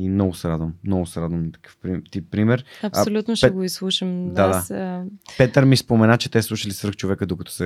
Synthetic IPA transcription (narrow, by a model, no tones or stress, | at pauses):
imnɔɡʊsɛɾad̪vəmːnɔɡʊsɛɾad̪vəmnɐt̪ɐ̥kə̥fpɾit̪ipːɾimɛɾɐpsolʲut̪noʃɛɛɡoislˠuʃəmd̪ad̪sa | pɛt̪əɾmispomɛnat͡ʃɛt̪ɛslˠuʃəlisvɾ̩əxt͡ʃovɛkəd̪okɐt̪ɔ̥sɛ